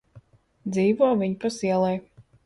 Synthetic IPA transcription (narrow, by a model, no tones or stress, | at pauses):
d̪ziːvɔːvʲiɲpasiɛlˠɛj